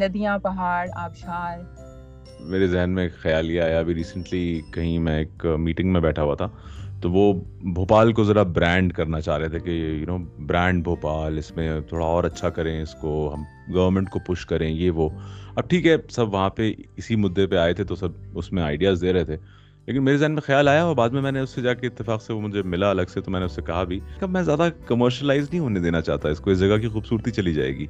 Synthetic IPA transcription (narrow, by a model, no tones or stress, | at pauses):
lɐd̪ijãpɐɦaːɾaːpʃaːɾ | meːɾezɛɦnmẽkxɐjaːliaɦɛjabiɾiːsə̃ɳʈlikɐɦĩmɛ̃eːkmiːʈɪ̃ŋɡmẽbɛːʈʰaɦuat̪ʰat̪oʋobʱoːpaːlkozɐɾabɾɛ̃ːɳɖkɐɾnat͡ʃaːɦɾet̪ʰekejjʊnoːbɾɛ̃ːɳɖ̚bʱoːpaːlɪsmẽt̪ʰoːɽaɔːɾɐtːʃʰakɐɾẽɪskoɦɐ̃m | ɡɐʋəɾmə̃ɳʈkopʊʃkɐɾẽjeʋoɐb̚ʈʰiːkɦɛsɐbʋɐɦãpeɪsimʊd̪ːepeaːet̪ʰet̪osɐbʊsmẽaːɪɖijaːzd̪eːɾɐɦet̪ʰeː | leːkɪnmeːɾezaːnmẽxjaːlaːjaɔːɾbaːd̪mẽmɛ̃ːneʊsːed͡ʒaːkeɪt̪ːɪfaːqseʋomʊd͡ʒʱemɪlaɐlɐɡset̪omɛ̃ːneʊsːekɐɦabʱikɐbmɛ̃ːzjaːd̪akɐməɾʃəlaːɪznɐɦĩɦoːned̪eːnat͡ʃa̰ːɦt̪aɪskoɪsd͡ʒɐɡak̬ixuːbsuːɾt̪it͡ʃɐlid͡ʒa̰ːḛːɡiː